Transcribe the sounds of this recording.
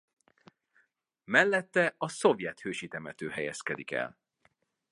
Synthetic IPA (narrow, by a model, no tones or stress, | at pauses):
mɛlːɛt̪ːɛɒso̞vjɛt̪høːʃit̪ɛmɛt̪øːhɛjɛ̰skɛd̪ikɛ̰l